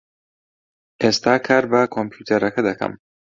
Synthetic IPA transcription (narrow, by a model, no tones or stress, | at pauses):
est̪aːkʰɐɾbɐkʰompʰjuːt̪ʰeɾɐkɐd̪ɐkʰɐ̰m